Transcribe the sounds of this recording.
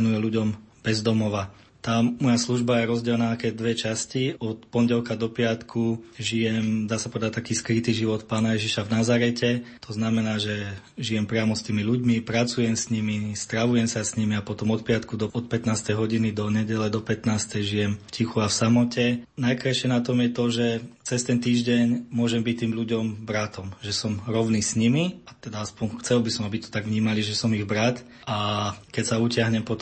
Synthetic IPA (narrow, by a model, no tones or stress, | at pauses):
nujɛluɟɔmb̥ɛzd̪ɔmɔʋa | t̪aːmɔjasluʒbajɛɾɔzɟɛlnaːakɛːd̪ʋɛt͡ʃasciɔt̪pɔɲɟɛlkad̪ɔpɪat̪kʰuʒijɛmd̪aːsapɔʋɛd̪at̚ʲt̪akiːskɾit̪iːʒiʋɔt̪paːnajɛʒiʃavnazaɾɛcɛt̪ʰɔznamɛnaːʒɛ | ʒijɛmpɾɪamɔst̪iːmiluɟmipɾat͡sujɛmsɲimist̪ɾaʋujɛmsasɲimiapɔt̪ɔmɔt̪̚pɪat̪kud̪ɔɔt̪̚pɛt̪naːst̪ɛjɦɔɟinid̪ɔɲɛɟɛlɛd̪ɔpɛt̪naːst̪ɛjʒijɛmfcixuafsamɔcɛnajkɾajʃɪɛnat̪ɔmjɛt̪ɔʒɛt͡sɛst̪ɛnt̪iːʒɟɛɲmʊɔʒɛmbic̚t̪iːmʎuɟɔmbɾat̪ɔmʒɛsɔmɾɔʊniːsɲimiat̪ɛd̪aaspɔɲxt͡sɛlbisɔmabit̪ɔ̥t̪aɡʋɲiːmaliʒɛsɔmiɣbɾat̪ | ʔakɛcsaucɪaɦɲɛmpɔt̪